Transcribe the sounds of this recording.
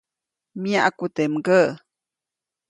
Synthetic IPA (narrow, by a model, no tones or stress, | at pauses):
miaʔakut̪emɡə